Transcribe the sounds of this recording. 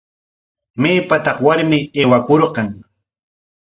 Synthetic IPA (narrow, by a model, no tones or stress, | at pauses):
meːpat̪ɑχwaɾmɪeːwakoɾqɑŋ